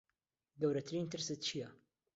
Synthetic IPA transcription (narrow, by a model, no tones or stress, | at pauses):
ɡɐwɾɐt̪ʰɨɾiːnt̪ʰɨɾsɨt̪̚t͡ʃʰijɐ